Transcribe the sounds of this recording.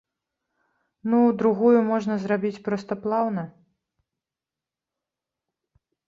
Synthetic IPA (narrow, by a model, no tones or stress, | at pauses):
nud̪ɾuɣujumɔʐnɐzɾabʲit͡sʲpɾɔst̪ɐplˠawnɐ